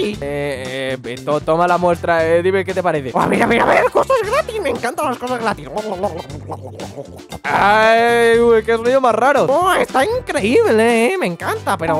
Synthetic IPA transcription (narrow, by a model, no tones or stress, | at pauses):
ieeet̪ot̪omalamwe̞st̪ɾaeðiβeket̪e̞paɾeθea̰meɾaβiɾaβeɾko̞sazɣɾat̪ismẽŋkant̪alaskosazɣɾat̪isololololollolo | ajuekesoniomasraɾooest̪aiŋkɾe̞iβleemẽ̞ŋkant̪ape̞ɾo